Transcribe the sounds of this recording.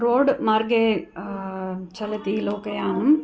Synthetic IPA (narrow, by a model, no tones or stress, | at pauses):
ɾoːɖmaːɾɡeː | t͡ʃɐlɐt̪iloːkɐjaːʋɐm